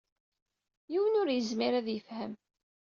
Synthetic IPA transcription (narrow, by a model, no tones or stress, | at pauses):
jiwənʊɾjəzmiɾæðjəfhəm